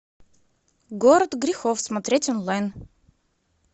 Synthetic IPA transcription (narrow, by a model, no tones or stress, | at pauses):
ɡoɾət̪ɡɾʲɪxofsmɐt̪ɾʲetʲɔnlˠajn